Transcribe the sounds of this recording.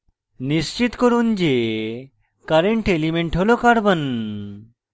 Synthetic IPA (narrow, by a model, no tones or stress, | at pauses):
nist͡ɕit̪koɾund͡ʑe | kaɾeɳʈelimeɳʈɦolokaɾbən